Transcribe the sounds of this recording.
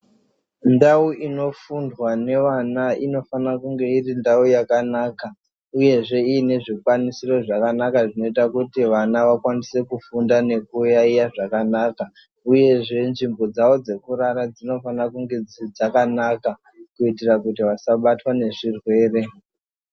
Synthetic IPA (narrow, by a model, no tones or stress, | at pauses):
ndauʔino̞fundwane̞ʋanaino̞fanakuŋɡe̞irindaujakanaka | uje̞ʐe̞iːne̞ʐikwanisiro̞ʐakanakaʐino̞itakutiʋanaʋakwanise̞kufundane̞kujaijaʐakanaːka | uje̞ʐe̞nʐimbo̞d͡zaʋo̞d͡ze̞kuɾaɾad͡zino̞fanakuŋɡe̞d͡zid͡zakanaka | kuitirakutiʋasaɓatwane̞ʐirwe̞ːre̞